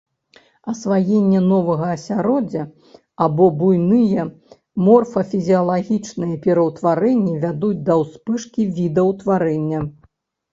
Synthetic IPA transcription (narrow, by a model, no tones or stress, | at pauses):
ɐsvajɛnʲːɐnɔvɐɣɐːsʲaɾɔd͡zʲɐ | abɔbujnɨjɛ | mɔrfɐfʲizʲiɐlˠaɣʲit͡ʂnɨjɐpʲɛɾɐwt̪vaɾɛnʲːivʲad̪ut͡sʲd̪ɐwspɨʂkʲivʲid̪ɐwt̪vaɾɛnʲːɐ